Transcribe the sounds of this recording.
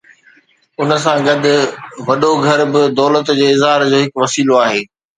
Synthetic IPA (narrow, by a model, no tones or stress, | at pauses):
ʊnəsãɡɐd̪ʱʊ̆ʋɐɗoɡʱɐɾbɪd̪ɔːlət̪d͡ʑeːɪzɦaːɾd͡ʑoːɦɪkʋɐsiːloaːɦeː